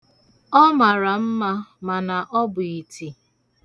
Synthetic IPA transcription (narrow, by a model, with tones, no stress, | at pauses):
ɔ˦ma˨ɾa˨m̩˦ma˦ma˨na˨ʔɔ˦bʊ˨i˨ti˨